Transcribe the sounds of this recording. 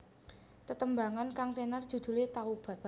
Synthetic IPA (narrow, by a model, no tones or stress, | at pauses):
t̪ət̪əmbaŋankaŋt̪enard̥ʒ̥ṳd̪̥ṳlet̪aub̥a̤t̪̚